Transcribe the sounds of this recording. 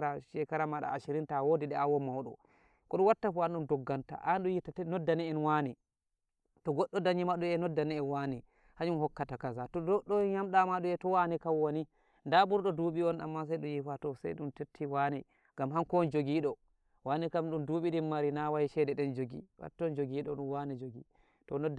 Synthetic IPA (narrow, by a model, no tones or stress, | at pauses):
ɾaʃɛkaɾamaɗa̰aʃiɾintawodiɗɛawɔmawɗɔ̰ | kɔɗunwatːafɔanɗumdɔɡːanta̰ʔanɗujitatɛnɔdːanɛɛnwani | tɔɡɔɗːɔdaɲimaɗuɛnɔdːanɛɛnwani | haɲumhɔkːatakazatɔdɔɗɔɲamɗamaɗuɛtɔwanikawwani | ndaɓuɾɗɔduɓiɔna̰mːas̬ajɗujifatɔsa̰jɗuntetʰːiwanɛ | ŋɡamhankɔnd͡ʒoɡiɗɔ | wanikamɗunduːɓiɗinmaɾinawajiʃɛdɛɗɛnd͡ʒoɡḭwa̰tːɔnd͡ʒoɡiɗɔ̰ɗunwanid͡ʒoɡi | tɔnɔd